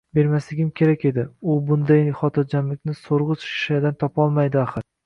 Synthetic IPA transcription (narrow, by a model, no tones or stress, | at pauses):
be̞ɾmaslɪɡʲɪmkʲʰe̞ɾakʲe̞d̪ɪʊbʊnd̪ajχɒt̪ʰɪɾd͡ʒamlɪkʲnɪsoɾʁɨt͡ʃʰʃʃad̪ant̪ʰɒpɒlˠmajd̪ɪaχɨɾ